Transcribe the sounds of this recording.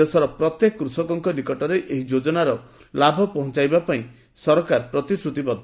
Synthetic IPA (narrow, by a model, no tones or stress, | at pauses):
esɔɾɔpɾɔt̪jekɔkɾusɔkɔŋkɔnikɔʈɔɾeʔeɦid͡ʒod͡ʒɔnaɾɔ | labʱɔpɔɦɔ̃t͡ʃajbapaĩ | sɔɾɔkaɾpɾɔt̪isɾut̪ibɔd̪